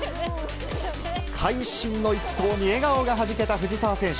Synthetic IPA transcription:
kʰaiɕĩnːo̞it̪ːo̞ːɲ̟ie̞ɡaoɡaɦaʑike̞t̪aɸɯ̟ʑisaːsẽ̞ɰ̃ɕ

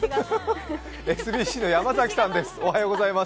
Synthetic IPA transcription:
e̞sɨbʲiːɕiːno̞jamazakʲi̥sãnd̪e̞sɨ̥ohajo̞ːɡo̞zaima

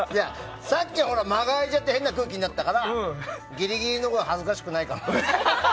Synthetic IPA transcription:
ja | sakʲːiɦo̞ɾamaɡaid͡ʑat̪ːe̞he̞nːakɯ̟ːkʲiɲnat̪ːakaɾaɡʲiɾʲiɡʲiɾʲino̞koɦazɨkaɕi̥kɯ̟naikam

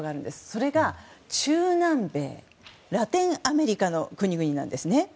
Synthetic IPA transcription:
ɡaːɾɯ̟̃nd̪e̞sɨ̥so̞ɾe̞ɡat͡ɕɨːnãmbe̞̰ː | ɾat̪ẽ̞ɰ̃ame̞ɾʲikano̞kɯ̟ɲ̟iɡɯ̟ɲ̟inã̰nd̪e̞sɨne̞

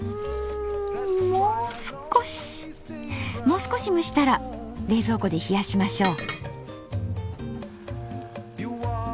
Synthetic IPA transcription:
moːsɨ̥koɕ | mo̞ːsɨ̥ko̞ɕimɯɕi̥t̪aɾaɾe̞ːzo̞ːko̞d̪e̞çijaɕimaɕo̞ː

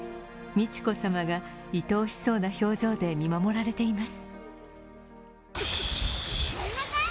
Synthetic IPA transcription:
mʲit͡ɕi̥ko̞samaɡait̪o̞ːɕi̥so̞ːnaço̞ːʑd͡ʑo̞ːd̪e̞mʲimamo̞ɾaɾe̞t̪e̞imasɨ̥

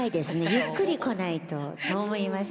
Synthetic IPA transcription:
id̪e̞sɨne̞jɯkːɯ̟ɾʲiko̞nait̪o̞t̪omoimaɕ

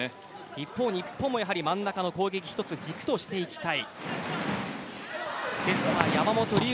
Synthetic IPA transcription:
ipːo̞ːɲ̟ipːo̞ːmo̞jaɦaɾʲimãnːakano̞ko̞ːɡe̞kʲi̥çi̥t̪o̞t͡sɨd͡ʑikɯ̥t̪o̞ɕi̥t̪e̞ikʲi̥t̪ai | se̞ɸɯβajamamo̞t̪o̞ɾʲi

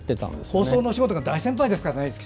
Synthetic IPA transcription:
t̪ːet̪ã̰nd̪esho̞ːssoːno̞ɕiɡot̪oɡad̪aisẽ̞mpaid̪esɨ̥kaɾanaisɨ̥kʲi̥

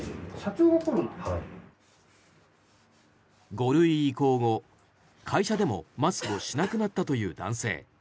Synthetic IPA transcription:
ɕat͡ɕoːokoɾɯ | ɡo̞ɾɯ̟iko̞ːɡo̞ | kʰaiɕad̪e̞mo̞̰masɨ̥kɯo̞ɕinakɯ̟nat̪ːat̪o̞jɯ̟ːd̪ã̰ɰ̃se̞̰ː

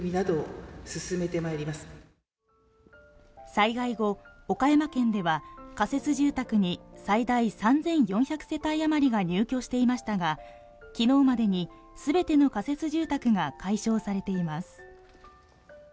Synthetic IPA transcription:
mʲinad̪o̞sɨsɨme̞t̪e̞maeɾʲimasɨ̥ | saiɡaiɡo̞okajamakẽ̞nd̪e̞βakase̞t͡sɨʑɨːt̪akɯ̟ɲ̟isaid̪aisãnd͡zẽ̞ɰ̃jõ̞ɰ̃çakɯ̥se̞t̪aiamaɾʲiɡaɲ̟ɨːkʲo̞ːɕi̥t̪e̞imaɕi̥t̪aɡa | kʲino̞ːmad̪e̞ɲ̟i | sɨbe̞t̪e̞no̞kase̞t͡sɨʑɨːt̪akɯ̟ɡakaiɕo̞ːsaɾe̞t̪e̞imasɨ̥

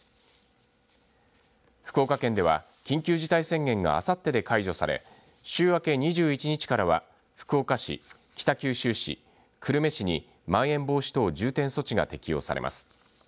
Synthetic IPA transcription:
ɸɯ̥ko̞ːkakẽ̞nd̪e̞βa̰ | kʲĩŋkʲɨːʑit̪aisẽ̞ŋɡẽ̞ŋɡa̰a̰sat̪ːe̞d̪e̞kaiʑo̞saɾe̞̰ | ɕɨːβake̞ɲ̟iʑɨːit͡ɕiɲ̟it͡ɕi̥kaɾaβa | ɸɯ̟̥kɯoːkaɕḭ | kʲi̥t̪akʲɨːɕɨːɕḭ | kʰɯ̟ɾɯ̟me̞ɕiɲ̟i | mãɰ̃ẽ̞mbo̞ːɕi̥t̪o̞ːd͡ʑɨːt̪ẽ̞ɰ̃so̞t͡ɕiɡa̰t̪e̞kʲijo̞̰ːsa̰ɾe̞̰mʔa̰sɨ̥

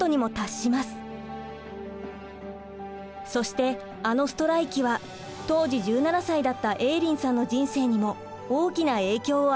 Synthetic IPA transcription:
o̞ɲ̟imo̞t̪aɕːimasɨ̥ | so̞ɕi̥t̪e̞ | ano̞sɨ̥t̪o̞ɾaikʲiβa | t̪o̞ːʑiʑɨːnanasaid̪at̪ːaʔe̞ːɾʲĩɰ̃sãnːo̞d͡ʑĩɰ̃se̞ːɲ̟imo̞ | oːkʲinae̞ːkʲo̞ː

